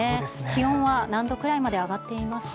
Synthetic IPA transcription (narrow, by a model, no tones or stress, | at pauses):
ekʲihõ̞ɰ̃βanãnd̪o̞kɯ̟ɾaimad̪e̞aɡat̪ːe̞imasɨ̥